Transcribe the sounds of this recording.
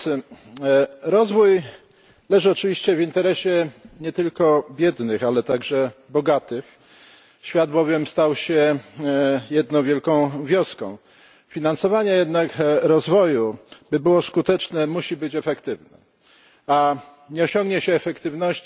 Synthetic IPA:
ɾɔzvuj | lɛʐɘɔt͡ʂɘvʲiɕt͡ɕɛvint̪ɛɾɛɕɛɲɛt̪ɘlkɔbʲjɛd̪nɘxalɛt̪aɡʐɛbɔɡat̪ɘx | ɕfʲjad̪bɔvʲjɛmst̪awɕɛ | jɛd̪nɔ̃w̃vʲjɛlkɔ̃w̃vʲjɔskɔ̰̃w̃ | fʲinansɔvaɲɛjɛd̪nakɾɔzvɔjubɘbɘwɔskut̪ɛt͡ʂnɛmuɕibɘt͡ɕɛfɛkt̪ɘvnɛ̰ | a | ɲɛɔɕɔ̃ŋɡɲɛɕɛːfɛkt̪ɘvnɔɕt͡ɕ

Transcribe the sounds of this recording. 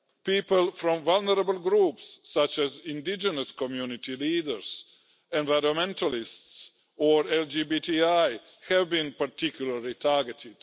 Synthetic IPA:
piːpəlfɾɔ̃mvalnəɾabəlɡɾuːpsːat͡ʃɛzĩndid͡ʒənəskɔmjunit̪iliːdəɹs | ɛ̃nvaɪɾəmɛ̃ntalists | ɔɹɛld͡ʒibitiajhɛvbĩnpaɾt̪ikjulaɾlit̪ʰaɹɡɛtʰɪd̥

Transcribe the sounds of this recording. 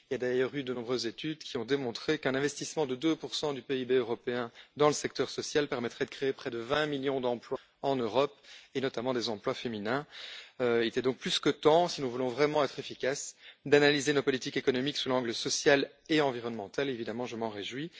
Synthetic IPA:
iljad̪ajœːʁyd̪ənɔ̃bʁøzːet̪yd̪kʲiɔ̃d̪emɔ̃t̪χekɛ̃nɛ̃vɛst̪ismɑ̃d̪əd̪øpuʁsɑ̃d̪ypeibeøʁɔpeɛ̃d̪ɑ̃ləsɛk̚t̪œʁsɔsjalpɛʁmɛt̪χɛd̪əkχeepχɛd̪əvɛ̃miljɔ̃d̪ɑ̃plwa | ɑ̃nøʁɔpenɔt̪amɑ̃d̪ɛzɑ̃plwafeminɛ̃øilɛt̪ɛd̪ɔ̃k̚plyskət̪ɑ̃sinuvulɔ̃vʁɛmɑ̃ɛt̪χefikʲasd̪analizenopɔlit̪ikekɔnɔmiksulɑ̃ɡləsɔsjal | eɑ̃viʁɔnmɑ̃t̪alevid̪amɑ̃ʒəmɑ̃ʁeʒwi

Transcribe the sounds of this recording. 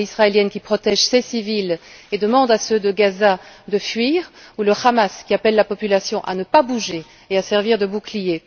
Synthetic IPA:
isʁaeljɛnkʲipχɔt̪ɛʒsesiviled̪əmɑ̃d̪asød̪əɡazad̪əfɥiːʁuləχamaskʲiapɛlːapɔpylasjɔ̃ʔa̰nəpabuʒe | easɛʁviʁd̪əbuklije

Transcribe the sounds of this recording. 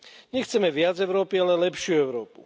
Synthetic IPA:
ɲɛxt͡sɛmɛʋɪad͡zɛʊɾɔːpialɛlɛpʃɪuɛʊɾɔːpṵ

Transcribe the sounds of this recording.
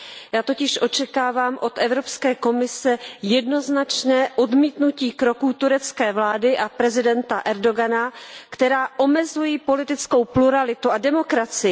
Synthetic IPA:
jaːt̪o̞cɪʃʔo̞t͡ʃɛkaːvaːmʔo̞t̪ʔɛvɾopskɛːko̞mɪsɛjɛdno̞znat͡ʃnɛːʔo̞dmiːt̪nuciːkɾo̞kuːt̪uɾɛt͡skɛːvlaːdɪʔapɾɛzɪdɛnt̪aʔɛɾdo̞ɡanakt̪ɛɾaːʔo̞mɛzujiːpo̞lɪt̪ɪt͡sko̞wpluɾalɪt̪uadɛmo̞kɾat͡sɪ

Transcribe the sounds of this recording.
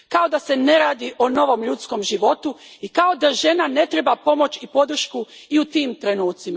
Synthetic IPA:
kao̞d̪ase̞ne̞ɾaːd̪iʔono̞ʋo̞mʎut̪sko̞mʒiʋo̞t̪uikao̞d̪aʒe̞nane̞t̪ɾebapo̞mo̞t͡ɕipo̞d̪ɾ̩ʃkuiut̪iːmt̪ɾe̞nuːt̪sima

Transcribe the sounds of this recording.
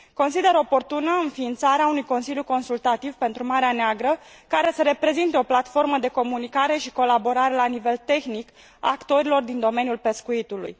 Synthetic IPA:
ko̞nsid̪e̞ɾo̞po̞rt̪unəɨnfiːnt̪saɾeaunujko̞nsilʲjuko̞nsult̪at̪ivpe̞nt̪ɾumaɾeaneaɡɾə | kaɾe̞səɾe̞pɾe̞zint̪eo̞plat̪fo̞rməd̪e̞ko̞munikaɾe̞ʃiko̞labo̞ɾaɾe̞lanive̞lt̪e̞xnik | a̰ːkt̪o̞ɾilo̞rd̪ind̪o̞me̞njulpe̞skuit̪ulṵj

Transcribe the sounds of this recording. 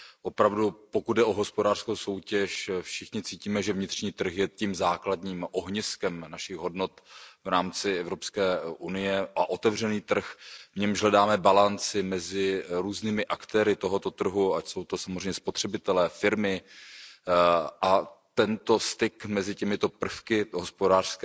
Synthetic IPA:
ʔo̞pɾavdupo̞kud̪̚dɛʔoɦo̞spodaːr̥skowso̞wcɛʃfʃɪxɲɪt͡siːciːmɛʒɛvɲɪt̪r̥ɲiːt̪r̩xjɛt̪iːmzaːkladɲiːmʔo̞ɦɲɪskɛmnaʃɪɣɦo̞dno̞t̪vɾaːmt͡sɪɛvɾo̞pskɛːʔunɪjɛʔaʔo̞t̪ɛvr̝ɛniːt̪r̩xvɲɛmʒɦlɛdaːmɛbalant͡sɪmɛzɪɾuːzniːmɪʔakt̪ɛːɾɪt̪o̞ɦo̞t̪o̞t̪r̩ɦuacso̞wt̪o̞samozr̝ɛjɲɛspot̪r̥ɛbɪt̪ɛlɛːfɪɾmɪ | ʔat̪ɛnt̪o̞st̪ɪkmɛzɪcɛmɪt̪o̞pr̩fkɪɦospodaːr̥skɛ

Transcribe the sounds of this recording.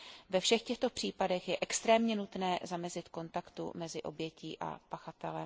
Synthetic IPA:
vɛfʃɛxcɛxt̪o̞pr̝̥iːpadɛxjɛʔɛkst̪ɾɛːmɲɛnut̪nɛːzamɛzɪt̪ko̞nt̪akt̪ṵmɛzɪʔo̞̰bjɛcḭːʔa̰paxat̪ɛlɛ

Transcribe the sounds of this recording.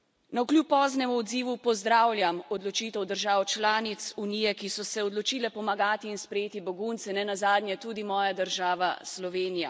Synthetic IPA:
nawklʲjupːɔːznɛmuɔd̪ziːʋupɔzd̪ɾawlʲjamɔd̪lɔt͡ʃit̪ɛwd̪əɾʒaːwt͡ʃlaːnit̪sunijɛkisɔsɛɔd̪lɔt͡ʃiːlɛpɔmaɡaːt̪iːnspɾɛjeːt̪ibɔɡunt̪sɛnɛnazaːd̪nʲjɛt̪uːd̪imɔːjad̪əɾʒaːʋaslɔʋeːnija

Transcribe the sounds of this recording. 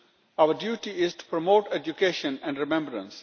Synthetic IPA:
aʊəɾɖjuːʈiɪzʈu̥pɾomoːʈed͡ʒjukeːʃə̃nɛ̃ɳɖɾɪmɛ̃mbɾə̰̃ns

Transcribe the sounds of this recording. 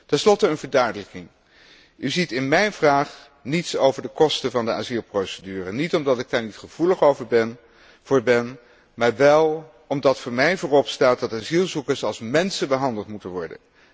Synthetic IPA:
tɛnslɔtəənvəɹdœɥdələkɪŋ | ʔyzitɪnmɛjnvraːχ | nitsowvəɹdəkɔstəvɑndəʔaːzilˠprowsədyːrənitɔmdɑtɪɡ̚daːɹnitχəv̥uləχowvəɹbɛn | v̥ʊːɹbɛn | maːɹʋɛlˠ | ɔmdɑtfʊːɹmɛjvʊːrɔpstaːt̚dɑtaːzilˠzukəɹsɑlˠsmɛnsəbəɦɑndəlˠtmutənʋɔɹdə̰n

